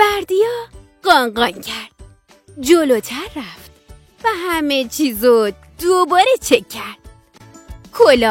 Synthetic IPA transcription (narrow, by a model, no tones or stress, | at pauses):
b̥æɾd̪ijɒ | ɢɒŋɢɒncʰæɾd̪̥ | d͡ʒolot̪ʰæɾːæft̪ | væɦæmet͡ʃʰiːzo | d̪̥obɒːɾet͡ʃʰekʰːæɾd̪̥̚ | kʰolɒ